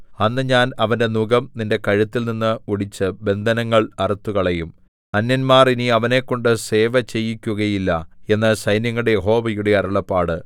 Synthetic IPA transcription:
ɐnːɨɲaːnɐʋɐnde̞nuɡɐmninde̞kɐɻɐt̪ːilninːɨuɽit͡ɕːɨbe̞nd̪ʱɐnɐŋːɐɭɐrut̪ːuɣɐɭejum | ɐnːɐnmaːriniɐʋɐne̞kːo̞ɳɖɨse̞ːʋɐt͡ɕe̞jːikʲːuɣɐjilːɐe̞nːɨsɐjnjɐŋːuɽe̞jeɦo̞ːʋɐjuɽe̞ɐɾɐɭɐpːaːɽɨ

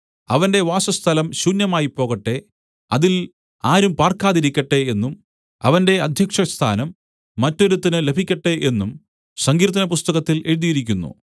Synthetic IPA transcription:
ɐʋɐnde̞ʋaːsɐst̪ʰɐlɐmɕuːnjɐmaːjipːo̞ːɣɐʈːe̞ | ɐðil | aːɾumpaːrkaːðiɾikʲːɐʈːe̞enːum | ɐ̰ʋɐnde̞ɐd̪ʱjɐkʂɐst̪ʰa̰ːnɐmː | ɐtːo̞ɾut̪ːinɨle̞bʱikʲːɐʈːe̞ʔe̞nːum | sɐŋɡiːɾt̪̬ːɐnɐpust̪ɐɣɐt̪ːilʔe̞ɻuðijiɾikʲːunːṵ

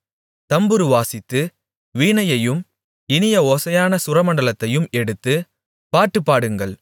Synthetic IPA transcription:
t̪ɐmbɯɾɯʋaːsɪt̪ːɯ | ʋiːnɐjɐjɯm | ɪnɪjɐoːsɐjaːnɐsʊɾɐmɐɳɖɐɭɐt̪ːɐjɯmɛɽɯt̪ːɯ | paːʈːɯpːaːɽɯŋɡɐɭ

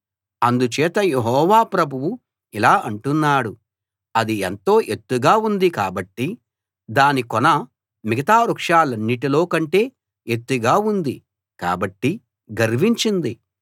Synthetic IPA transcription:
ɐnd̪ut͡ʃɛːt̪ɐjeɦɔːʋaːpɾɐbʱuwu | ilaːʔɐɳʈunːaːɽu | ɐd̪ient̪o̞ːʔet̪ːuɡaːund̪ikaːbɐʈːi | d̪aːnikɔnɐ | miɡɐt̪aːɾukʂaːlɐnːiʈilo̞ːkɐɳʈe̞ː | et̪ːuɡaːund̪i | ka̰ːbɐʈːi | ɡɐɾʋiɲt͡ʃind̪i

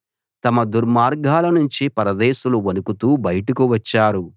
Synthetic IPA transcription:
t̪ɐmɐd̪uɾmaːɾɡʱaːlɐnuɲt͡ʃipɐɾɐd̪ɛːʃuluʋɐnukut̪uːbɐjɐʈukuʋɐt͡ʃːaːɾu

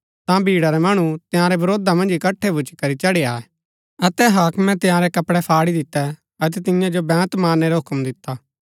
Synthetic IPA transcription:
t̪ãbʱiːɽaɾɛmɐɽ̃ut̪ɪjãːɾɛbɐɾoːd̪amɐ̃nd͡ʒɪkɐʈʰːebʊt͡ʃkɐɾit͡ʃɐɽeaːɛ | ɐt̪ɛɦaːkmɛ̃t̪ɪjãːɾɛkɐpɽɛpʰaːɽid̪ɪt̪ːɛ | ɐt̪̬ɛt̪ɪ̃jãd͡ʒobɛ̃ːt̪maːnːɛɾaɦʊkmd̪ɪt̪ːaː

